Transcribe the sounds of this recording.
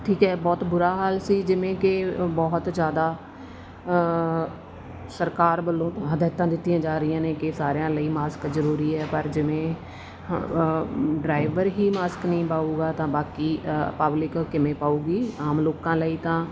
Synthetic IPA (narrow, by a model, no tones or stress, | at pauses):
ʈʰiːkɦɛːbɔːt̪bʊɾaːɦaːlsiːd͡ʒɪʋẽːkɪbɔːɦt̪d͡ʒjaːd̪aː | səɾkaːɾbəlːõːt̪ːəd̪ɛːt̪ãːd̪ɪt̪ːijãːd͡ʒaːɾəɪjãːnẽːkɪsaːɾjãːləiːmaːskzəɾuːɾiːɦɛːpəɾd͡ʒɪʋẽː | ɖɾaːɪʋəɾɦiːmaːsknəĩːpaːuːɡaːt̪ãːbaːkiːpəblɪkːɪmẽːpaːuːɡiːaːmloːkãːləiːt̪ãː